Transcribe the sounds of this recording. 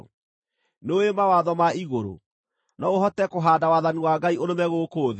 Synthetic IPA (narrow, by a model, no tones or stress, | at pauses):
noemawaːðɔmaiɣoɾo̰ | nɔoɦɔtɛkoɦaːdawaːðaniwaɡaioɾomɛɣokoːð